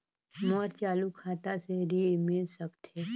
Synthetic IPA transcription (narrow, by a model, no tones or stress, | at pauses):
mɔɾt͡ʃaːlukʰaːt̪aseɾimilsəkt̪e